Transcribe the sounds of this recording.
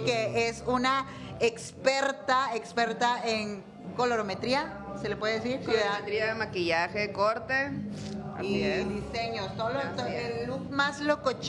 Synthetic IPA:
keesuna | ekspeɾt̪aekspeɾt̪aeŋ | koloɾomet̪ɾia | selepweðees̬iɾkwiðaðt̪ɾiaemakiʝaxekoɾt̪ḛ | iðiseɲost̪olot̪oeluθmaslokot͡ʃ

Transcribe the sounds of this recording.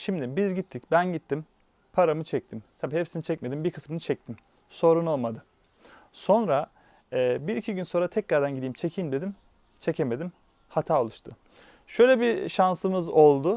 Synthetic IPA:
ʃimd̪ibizɟit̪ʰːicbænɟit̪ʰːim | pʰaɾamɯt͡ʃʰɛc̚t̪ʰimt̪ʰabiːhɛpsinit͡ʃʰɛc̚me̞d̪imbiɾkʰɯ̥smɯnɯt͡ʃʰɛc̚t̪ʰim | so̞ɾuno̞lˠmad̪ɯ | so̞nɾa | ɛːbiɾicʰiɟynso̞nɾat̪ʰɛcɾaɾd̪ænɟid̪iːmt͡ʃʰe̞cʰiːmd̪e̞d̪im | t͡ʃʰe̞cʰeme̞d̪im | hat̪ʰaːo̞lˠuʃt̪ʰʊ | ʃø̞jlʲɛbiʃansɯmɯzo̞lˠd̪ʊ

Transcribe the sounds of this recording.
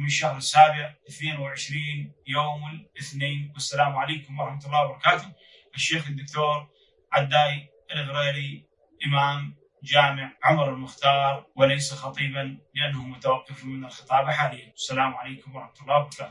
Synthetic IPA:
mɪʃːahɾɪsːaːbɪʕʔɪθneːnwɪʕɪʃɾiːnjoːmɪlʔɪθneːnwasːalaːmʕaleːkʊmwɑɾˤɑħmat̪ʊlːɑːwbɑɾˤɑkaːt̪ʊ | ʔaʃːeːxɪd̪ːʊkt̪oːɾ | ʕad̪ːaːj | ʔɪlɣɾeːɾi | ʔɪmaːm | d͡ʒaːmɪʕʕʊmɾɪlmʊxt̪ɑːɾˤwɪlejsaxɑt̪ˤiːbanlɪʔanːahʊmʊt̪awɑqːɪfmɪnalxɨt̪ˤɑːblħaːliːjawḁsːalaːmʕaleːkʊmwɑɾˤɑħmat̪ʊlˤːɑːwbɑɾˤɑkaːt̪

